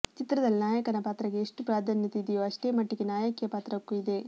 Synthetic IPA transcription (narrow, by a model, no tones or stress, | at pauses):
t͡ʃit̪ɾɐd̪ɐlinaːjɐkɐnɐpaːt̪ɾɐɡe̞ːʂʈupɾaːd̪ʱanjɐt̪eid̪ejoːɐʂʈe̞ːmɐʈːiɡenaːjɐkijɐpaːt̪ɾɐkːuid̪e̞